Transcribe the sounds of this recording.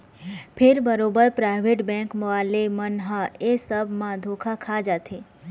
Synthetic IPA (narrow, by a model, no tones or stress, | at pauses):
pʰɪɾbəɾobəɾpɾaɪʋeʈbɛ̃ŋkməalemənɦəesəbʱmãd̪ʱokʰakʰad͡ʒat̪ʰe